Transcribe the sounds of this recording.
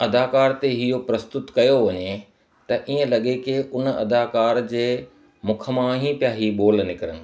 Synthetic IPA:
ɐd̪aːkaːɾt̪eɦijopɾɐst̪ʊt̪kɐjoʋɐɲe | t̪ɐʔiːə̃lɐɠekeʔʊnɐ̰d̪aːkaːɾd͡ʑeː | mʊkʰə̆mãːɦĩpjaːɦiːɓoːlnɪkɪɾənɪ̆

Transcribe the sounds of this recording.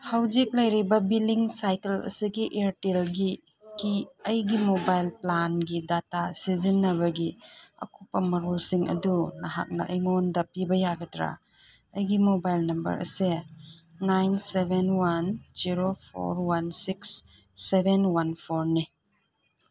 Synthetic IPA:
hawzik̚lɐjɾibɐbiliŋsajkelɐ̰siɡiʔeɾtelɡi | kiɐjɡimobajlplanɡidatasizinːɐβɐɡiɐ̰kʰupːɐmɐɾolsiŋɐ̰dunɐɦa̰k̚nɐ̰ʔiŋondɐpibɐjaɡɐtɾa̰ | ɐjɡimobajlnɐmbɐ̰ɾɐ̰seː | ajnsebenwand͡ʒiɾopʰo̰ɾwansiksː | ebʱenwanpʰoɾni

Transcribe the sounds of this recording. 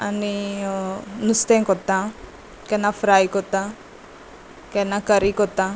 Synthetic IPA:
ɐni | nust̪eŋkɔt̪ːa | kɛnːafɾajkɔt̪ːa | kɛnːakɐɾikɔt̪ːa

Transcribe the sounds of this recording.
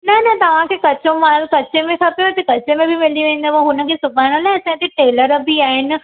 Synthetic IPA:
nɐnɐt̪ɐʋ̤ãkʰeːkɐt͡ɕõmakɐt͡ɕemẽkʰaːpijot̪ɐkɐt͡ɕemẽbʱɪmeliʋẽːn̆d̪əʋaɦʊnə̆kʰeːsʊbaːɪɽ̃olaːɪɐsãːt̪eʈeːləɾɐbiaːɦɪnɪ̆

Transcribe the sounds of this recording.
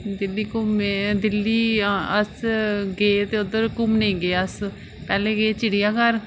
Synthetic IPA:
d̪ɪlːiːkʊmed̪ɪlːiːəsɡeːt̪eːʊd̪əɾkʊmnẽːɡeːəs | pɛːleːɡeːt͡ʃɪɽijaːkəɾ

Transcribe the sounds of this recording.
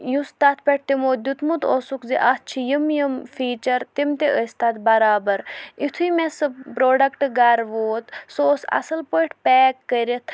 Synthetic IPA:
just̪at̪̚ʰpɐʈ̚ʰt̪imoːd̪ʲut̪mut̪osukziʔɐt͡ʃʰijəmjəmfiːt͡ʃɐɾt̪imt̪eʔəst̪at̪bɐɾaːbɐɾit̪ʰuimesɨpɾoːɖɐkʈɡɐɾʋoːt̪soːsɐ̰sɐlpoiʈʰpɛːkːəɾit̪ʰ

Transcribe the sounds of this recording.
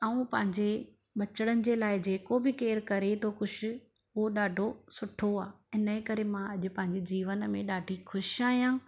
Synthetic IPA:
ɐũpɐ̃ɦɪ̃ɲd͡ʑe | ɓɐt͡ɕəɽ̃ənɪ̆d͡ʑeːlaːɪd͡ʑeːkobɪkeːɾkɐɾet̪ʰokʊʃʊ̆ | ʊɦoɗaːɖʱosʊʈʰoaː | ɪnəkɐɾemãɐʄʊ̆pɐ̃ɦɪ̃ɲd͡ʑed͡ʑiːʋənmẽɗaːɖʱixʊʃaːɦijãː

